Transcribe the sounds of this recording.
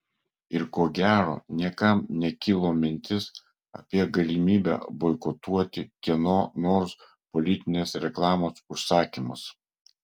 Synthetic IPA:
ɪɾkoːɡʲæːɾo̰ːnʲiɛkɐmnʲɛkʲɪlˠoːmʲɪnʲt̪ʲɪs | ɐ̰pʲiɛɡɐlʲɪmʲiːbʲæ̰bɔɪkɔt̪uɔt̪ʲɪkʲiɛnoːnoːɾs | pɔlʲɪt̪ʲɪnʲeːsɾʲɛklˠɑːmoːsʊʃsɑːkʲimʊs

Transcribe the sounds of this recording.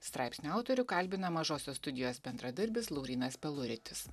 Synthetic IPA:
st̪ɾɑˑɪpʲsʲnʲuɐʊt̪ɔɾʲʊkɐlʲbʲɪnɐmɐʒoːsʲoːst̪ʊd̪ʲɪjoːsbʲɛnd̪ɾɐd̪ɐɾʲbʲɪslˠɔʊɾʲiːnɐspʲɛlˠʊɾʲɪt̪ʲɪs

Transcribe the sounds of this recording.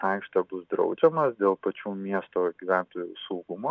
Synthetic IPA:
ɐɪkʃt̪ɐbʊsd̪ɾɐ̰ʊd͡ʒʲɛmɐsd̪ʲeːlˠpɐt͡ʃʲuːmʲiɛst̪oːɡʲiʋʲæˑnt̪oːjuːsɐʊɡʊmoː

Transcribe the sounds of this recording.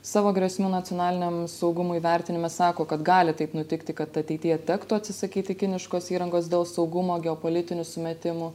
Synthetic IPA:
sɑːʋoːɡɾʲɛsʲmʲuːnɐt̪ʲjoːnɑːlʲɪnʲɛmsɒʊɡʊmʊiʋʲæɾʲt̪ʲɪnʲɪmɛsɑːkoːkɐt̪ɡɑːlʲɪt̪ɐɪpnʊt̪ʲɪkt̪ʲɪkɐt̪ɐt̪ʲɛɪt̪ʲijɛt̪ʲæːkt̪uɐt̪ʲsʲɪsɐkʲiːt̪ʲɪkʲɪnʲɪʃkoːsiːɾɐŋɡoːsd̪ʲeːlˠsɒʊɡʊmoːɡʲɛoːpoːlʲɪt̪ʲɪnʲusʊmʲɛt̪ʲɪmʊ

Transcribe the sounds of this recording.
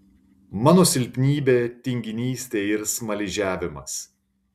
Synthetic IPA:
mɑːnoːsʲɪlʲpʲnʲiːbʲeːt̪ʲɪŋʲɡʲɪnʲiːsʲt̪ʲeːɪɾsmɐlʲɪʒʲæːʋʲɪmɐs

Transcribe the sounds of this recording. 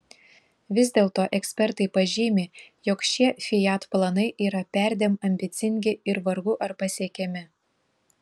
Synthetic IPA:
ʋʲɪzʲd̪ʲeːlˠt̪oːʔɛksʲpʲɛɾt̪ɐɪpɐʒʲiːmʲejɔkʃʲiɛfʲɪjɑt̪plˠɐnɐɪʔiːɾɐpʲæˑɾʲd̪ʲeːmɐmʲbʲɪt̪sʲɪŋʲɡʲɪɪɾʋɐɾɡʊʔɐɾpɐsʲiɛkʲɛmʲɪ

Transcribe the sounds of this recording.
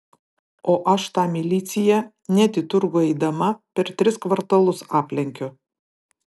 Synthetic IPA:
oːʔɐʃt̪ɑːmʲɪlʲiːt̪sʲɪjɛ | nʲɛt̪ʲɪt̪ʊɾɡʊɛɪd̪ɐmɐpʲɛɾt̪ʲɾʲɪskʋɐɾt̪ɐlˠʊsɑːpʲlʲɛŋʲkʲʊ

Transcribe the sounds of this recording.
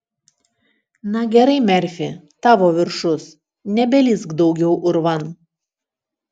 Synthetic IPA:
nɐɡʲɛɾɐɪmʲɛɾʲfʲɪt̪ɑːʋoːʋʲɪɾʃʊs | nʲɛbʲɛlʲɪsɡd̪ɒʊɡʲɛʊʔʊɾʋɐn

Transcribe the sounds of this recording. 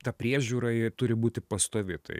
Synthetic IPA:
t̪ɐpʲɾʲiɛʒʲuːɾɐɪt̪ʊɾʲɪbuːt̪ʲɪpɐst̪oːʋʲɪt̪ɐ̰ɪ

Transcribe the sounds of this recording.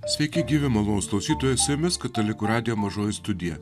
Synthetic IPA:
sʲʋʲɛɪkʲɪɡʲiːʋʲɪmɐlˠoːsklˠɐʊsʲiːt̪oːjɛsʲɪmʲɛskɐt̪ɐlʲɪkʊɾɑːd̪ʲɪjoːmɐʒoːjɪst̪ʊd̪ʲɪjɛ

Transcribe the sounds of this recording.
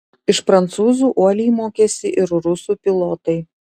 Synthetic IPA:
ɪʃpɾɐnt̪suːzuːʔuɔlʲiːmoːkʲɛːsʲɪʔɪɾɾʊsuːpʲɪlˠoːt̪ɐɪ

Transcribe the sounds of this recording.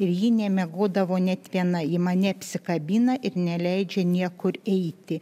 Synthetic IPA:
ɪɾjiːnʲɛmʲɛɡoːd̪ɐʋoːnʲɛt̪ʋʲiɛnɐjɪmɐnʲɛɐpʲsʲɪkɐbʲiːnɐʔɪɾnʲɛlʲɛɪd͡ʒʲɛnʲiɛkʊɾɛɪt̪ʲɪ

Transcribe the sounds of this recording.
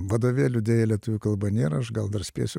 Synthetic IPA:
ʋɐd̪oːʋʲeːlʲʊd̪ʲeːjɛlʲiɛt̪ʊʋʲʊkɐlˠbɐnʲeːɾɐɐʃɡɐlˠd̪ɐɾsʲpʲḛːsʲʊ

